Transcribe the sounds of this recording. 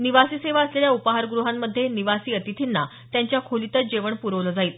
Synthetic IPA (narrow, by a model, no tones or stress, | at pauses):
niʋasiːseʋaəsleljaupaɦaɾɡɾuɦamːəd̪ʱːjeniʋasiːət̪it̪ʰinːa | t̪jaɲt͡ɕjakʰolit̪ət͡sd͡ʑeʋəɳpuɾəʋləd͡zaiːl